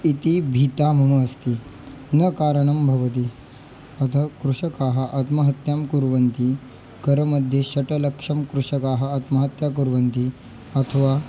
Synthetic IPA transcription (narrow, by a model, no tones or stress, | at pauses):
it̪ibʱiːt̪amɐmɐːst̪iː | nɐkaːɾəɳɐmbʱɐʋɐt̪̬i | ɐt̪ʰɐkɾuʂɐkaːɦɐʔɐt̪mɐɦɐt̪jamkuɾʋɐnt̪i | kɐɾəmɐd̪ʱjeɕɐʈɐlɐkʂɐmkɾuʂɐkaːɦɐɐt̪mɐɦɐt̪jakuɾʋɐnt̪i | ɐt̪ʰəʋa